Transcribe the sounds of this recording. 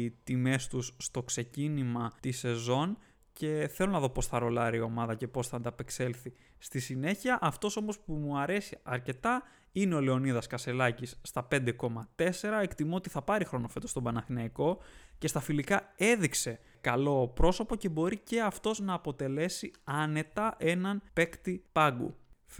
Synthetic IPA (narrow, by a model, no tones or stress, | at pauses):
t̪ime̞st̪usːt̪o̞kse̞cinimɐt̪ise̞zo̞n | ce̞θelo̞nɐðo̞po̞sθɐɾo̞lɐɾio̞mɐðɐce̞po̞sθɐɐnd̪ɐpe̞kse̞lθi | st̪isine̞çiɐʔɐft̪o̞so̞mospumuɐɾe̞siɐɾce̞t̪ɐ | ineo̞le̞o̞niðɐskɐse̞lɐcisːt̪ɐpe̞nd̪e̞ko̞mɐt̪e̞se̞ɾɐe̞kt̪imuot̪iθɐpɐɾixɾo̞no̞fe̞t̪ost̪o̞bɐnɐxnɐiko̞ce̞st̪ɐfilikɐe̞ðikse̞ | kɐlo̞pɾo̞so̞po̞ce̞bo̞ɾice̞ɐft̪o̞znɐːpo̞t̪e̞le̞siɐne̞t̪ɐʔe̞nɐnpe̞kt̪ipɐɡṵ